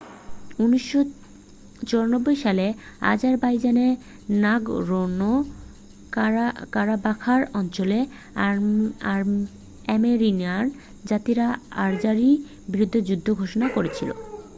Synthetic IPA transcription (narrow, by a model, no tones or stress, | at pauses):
uniʃːo | t͡ɕɔɾanobːojʃalea̰d͡ʑaɾbajd͡ʑane | naɡɾono | kaɾabakʰaɾɔnt͡ɕole | ɛmeɾinan | d͡ʑat̪iɾaa̰ɾd͡ʑaɾi | bɾud̪ʱːod͡ʑud̪ʱːoɡʱoʃonakoɾet͡ɕʰilo̰